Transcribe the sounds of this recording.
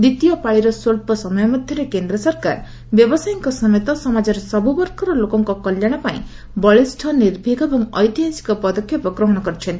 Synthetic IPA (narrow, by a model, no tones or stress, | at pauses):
d̪it̪ijɔpaɭiɾɔsoɭpɔsɔmɔjɔmɔd̪ʱjɔɾekend̪ɾɔsɔɾka̰ɾ | bjɔbɔsajɔŋkɔsɔmet̪ɔsɔmad͡ʒɔɾesɔbubɔɾkɔɾɔlokɔŋkɔkɔljaɽ̃ɔpaḭ̃ | bɔɭisʈʰɔniɾbʱiɡɔebɔŋɔjt̪iɦasi̥kɔpɔd̪ɔkʰjɔpɔkɾɔɦɔɽ̃ɔkɔɾit͡ʃʰɔnt̪i̥